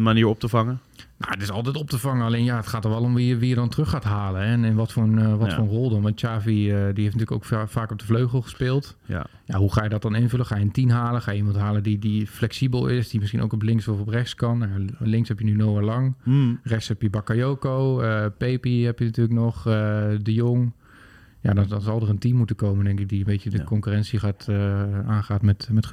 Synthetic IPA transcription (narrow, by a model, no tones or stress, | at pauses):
ənmaniːɹɔp̚təvɑŋəna̰wətɪsɑlˠtɛjtɔp̚təvɑŋənalejnjaətχaːtɔxʋɛlˠɔmʋiəʋijədɔntrɵχaːtɦaːlənɛnɛnʋɔtfoːɹənʋɔfʊːɹənrɔlˠdɔnʋɑntt͡ʃaːviədiɦejftnətyːləko̰wkfaːkɔb̚dəvløɥχəl̩ˠχə̥spɪːlˠt | ja̰ɦuχaːjədɔt̚dɑnɪnvələχaːjəəntinɦaːləχaːjəimɑntɦaːlədidiflɛksibəlˠɪsdimɪsχino̰wkɔplɪŋksoɔprɛxskɑnajalɪŋkshɛpjənynoːɪɹlɑŋrɛxshɛpjəbakajoːkowəpejpiɦɛpjənatyːləknɔχdəjoŋ | jadɔnɔnzɑlˠdərəntimːutəkowməndɛŋkɪk̚diənbeːtədəkɔŋkyrɛntsiχaːtəaːnχaːtmɛtmɛt